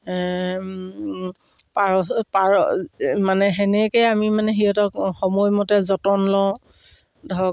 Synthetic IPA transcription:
paɹɔpaɹmanɛɦɛnɛkejamimanɛɦiɔtɔkxɔmɔjmɔtɛzɔtɔnlɔ | dʱɔ

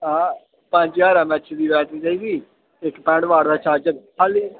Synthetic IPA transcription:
ɦãː | pə̃ɲd͡ʒjaːɾaːmɛːt͡ʃd̪iːbɛːʈiːd͡ʒaːiːɡiː | ɪkpɛ̃ːɖʋaːɽd̪aːt͡ʃʰaːt͡ʃəɾʰaliː

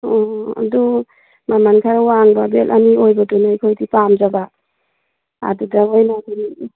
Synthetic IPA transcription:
ɔa̰du | mamankʰaɾawaŋbabelʔaniojbadunajkʰojdipamzaba | a̰dudaojnakʰini

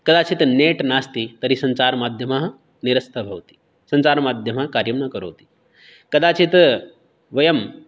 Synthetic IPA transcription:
kəd̪at͡ɕiːt̪neʈnast̪iːt̪əɾiːsənt͡saɾmad̪ʱjəmaɦ | niɾəst̪ʰabʱawt̪i̥ː | sənt͡saɾmad̪ʱjəmaɦkaɾjəmnakəɾo̰wt̪i̥ː | kɐd̪at͡ɕiːt̪ | ʋəjəm

